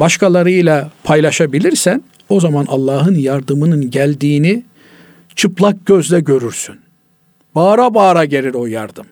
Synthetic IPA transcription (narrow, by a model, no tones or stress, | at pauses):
baʃkʰalˠaɾɯjlˠapʰajlˠaʃabilʲiɾsæn | o̞zamanʔalˠːɑːɦɯnjaɾd̪ɯmɯnɯnɟælʲd̪iːni | t͡ʃʰɯplˠak̚ɟ̥øzlʲɛɟø̞ɾyɾsyn | b̥aːɾabaːɾaɟe̞ɾiɾo̞jaɾd̪ɯm